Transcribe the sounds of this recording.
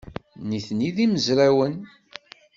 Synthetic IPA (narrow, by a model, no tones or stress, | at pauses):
niθniðiməzɾæwən